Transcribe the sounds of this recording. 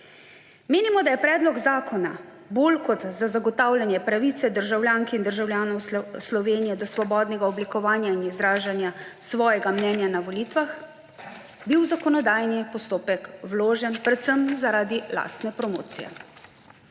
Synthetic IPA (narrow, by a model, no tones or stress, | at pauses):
meːnimɔd̪ajɛpɾɛːd̪lɔɡzaːkʰɔna̰ | boːlkɔt̪zazaɡɔt̪awlʲjanjɛpɾaʋit̪sɛd̪əɾʒawlʲjaːŋkind̪əɾʒawlʲjaːnɔwslɔʋeːnijɛd̪ɔsʋɔbɔːd̪nɛɡaɔblikɔʋaːnjainizd̪ɾaːʒanjasʋɔːjɛɡamnɛːnjanaʋɔlit̪ʋax | biwzakɔnɔd̪aːjnipɔst̪oːpɛkwloːʒɛnpɾɛt̪səmzaɾaːd̪ila̰ːst̪nɛpɾɔmo̰ːt̪sḭjɛ̰